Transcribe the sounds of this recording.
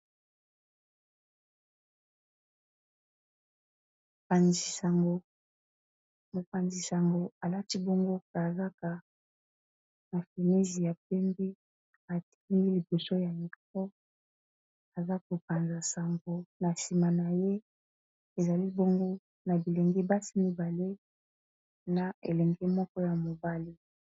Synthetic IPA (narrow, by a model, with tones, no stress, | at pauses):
a˨ni˨sa˨ŋɡo˨ | mo˨pa˨nzi˨sa˨ŋɡo˨a˨la˦ti˦bo˦ŋɡo˦ka˨za˦ka˨ | na˨fe˨ne˦zi˨ja˨p̚ɛ˦mbe˦ | a˨ti̥˦ŋɡi˦li˨bo˨so˦ja˨ni˨kkɔ˦ | a˨za˦k̚o˨pa˨nza˨sa˨ŋɡo˨na˨si˨ma˨na˨je˦ | e˨za˨li˦bo˦ŋɡo˦ | na˨bi˨lɛ˨ŋɡɛ˦ba˦si˦mi˦ba˨le˦ | na˨ḛ˨lɛ˨ŋɡɛ˦mɔ˦kɔ˦ja˨mo˨ba˦li˦